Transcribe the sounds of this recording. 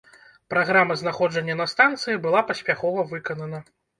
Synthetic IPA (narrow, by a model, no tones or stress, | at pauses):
pɾaɣɾamɐznaxɔd͡ʐɐnʲːɐnɐst̪ant̪sɨjibɨlˠapɐsʲpʲaxɔvɐvɨkɐnɐnɐ